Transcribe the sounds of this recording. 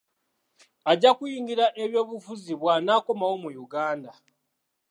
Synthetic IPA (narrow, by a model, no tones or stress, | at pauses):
aɟakujiːŋɡiɾaʔeβjo̞ːβufuziβwanaːko̞mawo̞mujuɡaːnda